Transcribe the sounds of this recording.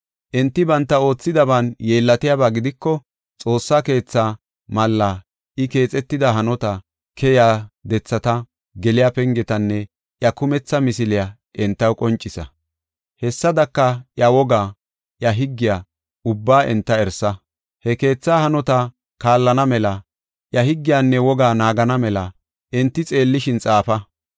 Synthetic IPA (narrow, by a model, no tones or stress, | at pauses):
ʔɛnt̪ːɪbɐnt̪ːɐo̞ːt͡sːɪd̪ɐbanjeːlːɐt̪ɪjaːbaːɡɪd̪ɪkːɔ | t͡sʼo̞ːsːaːke̞ːt͡sːaː | mɐlːaː | ɪke̞ːt͡sʼɛt̪ːɪd̪ɐɦɐnɔt̪ɐ | kʰɛjaːd̪ɛt͡sːɐt̪ɐ | ɡɛlɪjapɛŋɡɛt̪ɐnːɛ | ʔjɐkʊmɛt͡sːɐmɪsɪlɪja | ʔɛnt̪ːɐwkʼɔnt͡ʃʼːɪsɐ̰ | hɛsːɐd̪ɐkːɐʔjɐwɔɡaː | ʔjɐɦɪɡːɪjaː | ʊbːaːʔɛnt̪ːɐɛɾsɐ | hɛke̞ːt͡sːaːhɐnɔt̪ɐ | kaːlːɐnɐmɛlɐ | ʔjɐɦɪɡːɪjaːnːɛwɔɡaːnaːɡɐnɐmɛlɐ | ɛnt̪ːɪt͡sʼe̞ːlːɪʃɪnt͡sʼaːfɐ